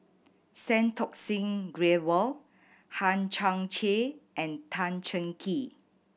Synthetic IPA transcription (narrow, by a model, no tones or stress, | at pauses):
sɛ̃ntʰɔk̚sĩŋɡɹewəl | hãnt͡ʃãŋt͡ʃeʔɛ̃ntʰãnt͡ʃə̃ŋkʰi